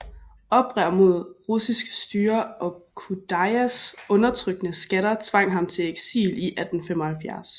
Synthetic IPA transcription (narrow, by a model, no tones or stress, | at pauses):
ɒ̽b̥ʁɛɐ̰mo̝ð̞̰ˠʁusisɡ̥sd̥yːɐʔɒ̽kʰud̥ɑɪæsɔ̽nɐt͡sʰʁœɡ̥ənəsɡ̥æɾ̥ɐt͡sʰʋɑ̈ŋ̰ɦɑ̈mt͡sʰe̝leɡ̥sḭːliʔæd̥n̩femɒ̽hælfjæɐs